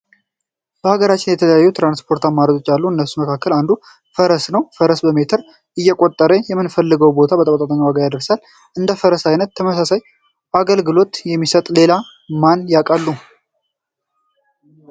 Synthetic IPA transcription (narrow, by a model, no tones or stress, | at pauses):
b̥əhaɡəɾat͡ʃːɪnjɛt̪ʰələjajːut̪ʰɾanspʰo̞ɾt̪amːaɾəd͡ʒo̞t͡ʃːalːuɨnːəsːuməkʰakːəland̪u | fəɾəsnəwfəɾəsbəme̞t̪ʰəɾ | ʔɨjːɛkʼot̪ʼːəɾəjɛmːɨnfəlːɨɡəwbo̞t̪ʰabət̪ʼəkʼt̪ʼat̪ʼaɲːawaɡajad̪əɾsal | ʔɨnd̪əfəɾəsajnət̪ʰːəməsasaj | aɡəlɡɨlo̞t̪jɛmːisət̪ʼle̞la | manjakʼalːu